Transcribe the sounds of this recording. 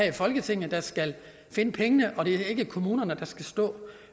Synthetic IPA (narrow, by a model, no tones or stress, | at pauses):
ɛfɒ̽lɡ̥ət͡sʰe̝ŋ̰n̩d̥ɑ̈sɡ̥æl | fe̝nəpʰeŋənəʔɒ̽ɾ̥e̝æɐe̝ɡ̥əkʰo̝muːnɐnəd̥ɑ̈sɡ̥æsd̥ɔ̰ː